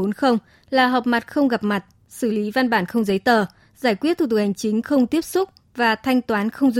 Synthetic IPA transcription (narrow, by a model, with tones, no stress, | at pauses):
o˨˦nxə˧wŋ͡m | laː˨˩ɦɔː˨˩p̚ma˨˩t̚xə˧wŋ͡mɣa˨˩p̚ma˨˩t̚ | sɨ˧˩li˨˦va˧nɓaː˧˩nxə˧wŋ͡mzə˨˦jt̪əː˨˩ | zaː˧˩jkwi˦˥ət̪ʰu˨˩t̪̬kha˨˩ŋ̟t͡ɕï˨˦ŋ̟xə˧wŋ͡mt̪i˦˥əp̚sʊ˦˥k͡p̚ | vaː˨˩t̪ʰa˧jŋ̟t̪waː˨˦nxə˧wŋ͡mzu˧